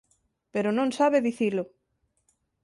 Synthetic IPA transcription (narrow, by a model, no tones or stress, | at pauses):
peɾonõŋsaβeðiθilʊ